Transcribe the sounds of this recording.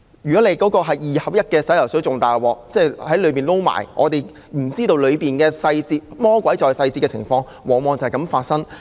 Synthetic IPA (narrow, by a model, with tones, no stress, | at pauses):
jy˨˩kɔ˨˥ne˨˧jkɔː˨˥kɔː˧ɦɐ˨jjiː˨hɐ˨˩w̚jɐ˥t̚kɛː˧sɐ˨˥jlɐ˨˩wsɵ˨˥t͡sʊ˨ŋt̪aː˨jwɔː˨k̚t͡sɛː˥˩hɐ˨˥jlɵ˨˧ɥp̬iː˨nlo˥wma̰ː˨˩jŋʔɔ̰ː˨˧t̪e˨˩j | m̩˨˩t͡siː˥t̪o˧wlɵ˨˧piː˨nkɛː˧sɐ˧jt͡siː˧˥t̚mɔː˥kʷwʷɐ˨˥jt͡sɔː˨jsɐ˧jt͡siː˧kɛ˧t͡sʰɪ̰˨˩ŋfɔː˧ŋ | wɔː˨˩ŋmɔː˨˧ŋt͡sɐ˨˧hɐ˨˩kɐ˨˥mfaː˧t̚sɐ˥ŋ